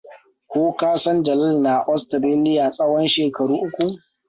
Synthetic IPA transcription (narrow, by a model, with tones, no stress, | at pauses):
kʷoː˦kaː˦sɔ˦nd͡ʒɐ˨lɐ˦lna˨ʔɔ˦stɾeː˦lɪ˦ja˨sʼɐ˦wɔ˦nʃeː˨kɐ˨ɽuː˦ʔʊ˦kʷu˨ʔ